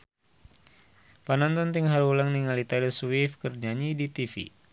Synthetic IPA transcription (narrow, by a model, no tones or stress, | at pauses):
panant̪ɔnt̪iŋɦaɾulaŋniŋalit̪aɾiswifkərd͡ʒaɲidit̪ifḭ